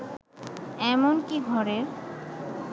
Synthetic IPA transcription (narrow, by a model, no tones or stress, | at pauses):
ɛmonkiɡʱɔɾeɾ